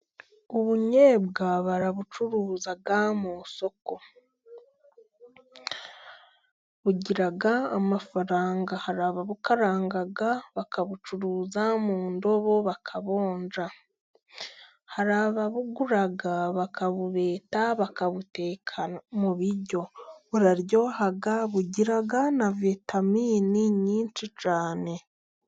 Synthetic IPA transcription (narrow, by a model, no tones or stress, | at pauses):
uβuɲebɡaβaɾaβut͡ʃuɾuːzaɡamoso̞ko̞ | βuɟiɾaɡaamafaɾaːŋɡahaɾaːβaβukaɾaːŋɡaɡaβakaβut͡ʃuɾuːzamuːndo̞βo̞βakʰaβo̞ːnd͡ʒa | haɾaːβaβuɡuɾaɡaβakaβuβe̞ːtaβakaβute̞ːkʰamuβiɾɟo̞βuɾaɾjo̞ːhaɡaβuɟiɾaɡanavitamiːniɲiːnt͡ʃit͡ʃaːne̞